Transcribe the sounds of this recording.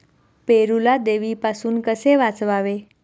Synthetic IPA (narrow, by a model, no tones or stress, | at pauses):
peɾulad̪eʋipasuːnkəseʋat͡sʋaʋe